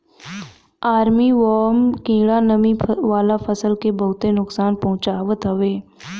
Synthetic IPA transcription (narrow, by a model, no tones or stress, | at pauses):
aːɾmiːʋɔːmkĩːɽanəmĩʋaːlapʰəsəlkebəɦʊt̪enʊksaːnpɐɦʊ̃t͡ʃaːʋət̪ɦəʋeː